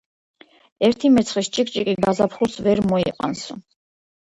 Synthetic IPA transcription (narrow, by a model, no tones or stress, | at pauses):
ɛɾt̪ʰimɛt̪sʰχist͡ʃʼikʼt͡ʃʼikʼid̪azapʰχuɾsvɛɾmɔiqʼa̰nsṵ